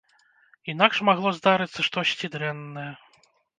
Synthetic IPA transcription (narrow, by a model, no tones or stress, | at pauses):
inakʂmaɣlˠɔzd̪aɾɨt̪sːɐʂt̪ɔsʲt͡sʲid̪ɾɛnːɐjɛ